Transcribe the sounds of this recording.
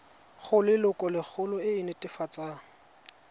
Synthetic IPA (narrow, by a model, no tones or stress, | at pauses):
χʊlɪlʊkʼɔlɪk͡xʰʊlʊɪɪnɛtʼɪfat͡sʼaŋ